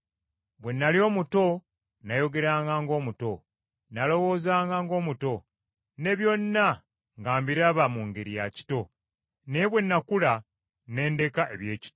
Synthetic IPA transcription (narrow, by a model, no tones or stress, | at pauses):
βwe̞nːaljo̞ːmuto̞ | najo̞ɡe̞ɾaːŋɡaŋɡo̞ːmuto̞ | nalo̞wo̞ːzaːŋɡaŋɡo̞ːmuto̞ | ne̞βjo̞nːa | ŋɡaːmbiɾaβamuŋɡeɾija̰ci̥to̞ | neeβwe̞nːakula | ne̞ːnde̞kaʔe̞βje̞ːci̥to